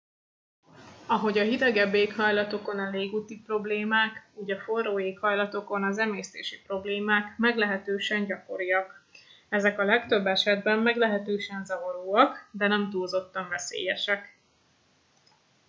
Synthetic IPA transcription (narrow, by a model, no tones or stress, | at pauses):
ɒɦo̞ɟɒɦid̪ɛɡɛbːeːkhɒjlɒt̪o̞ko̞nɒleːɡuːt̪ipro̞bleːmaːkuːɟɒfo̞rːoːeːkhɒjlɒt̪o̞ko̞nɒzɛmeːst̪ḛːʃipro̞bleːmaːkmɛɡlɛɦɛt̪øːʃɛɲɟɒko̞ɾijɒk | ɛzɛkɒlɛkt̪ø̞bːɛʃɛd̪bɛmːɛɡlɛɦɛt̪øːʃɛnzɒvɒɾoːɒkd̪ɛnɛmt̪uːlzo̞t̪ːɒɱvɛsḛːjɛʃɛk